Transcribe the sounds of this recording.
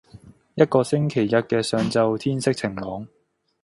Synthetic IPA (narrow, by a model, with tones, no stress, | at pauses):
jɐ˥t̚kɔː˧sɪ˥ŋkʰe˨˩jːɐ˥t̚kɛː˧sœː˨ŋt͡sɐ˧wt̪ʰiː˥nsɪ˥k̚t͡sʰɪ˨˩ŋlɔː˨˥ŋ